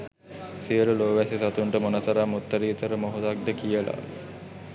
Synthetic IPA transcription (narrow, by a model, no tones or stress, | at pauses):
siəɾuloːʋæsisat̪uɳʈəmonasɐɾamut̪ːəɾiːt̪əɾəmoɦud̪ak̚d̪əkijəla̰